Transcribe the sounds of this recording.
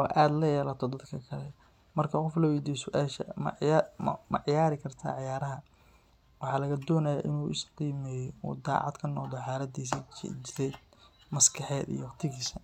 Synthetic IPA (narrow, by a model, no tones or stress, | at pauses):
ɔːʔaːd̪lɐjɛːlɐt̪ʰɔd̪ɐd̪kʰɐkʰɐlɛ | mɐrkʰɐqɔflɐwɛd̪iːsʊʔaːʃɐ̰mɐ̰m̰mɐʕɪjaːɾɪkʰɐrt̪ʰa̰ːʕɪjaːɾɐɦɐ | wɑħɑːlɐɣɐd̪ɔːnɐjaʔɪnuːʔɪsqiːmɛːjɔṵd̪a̰ːʕɑ̰d̪kʰɐnːɔ̰ːd̪ɔħɑːlɐd̪iːs̬ɐ̰t͡ʃɪɾɛːd̪̚mɐskʰɑħɛːd̪ḭjwqt̪ʰɪɣiːsɐ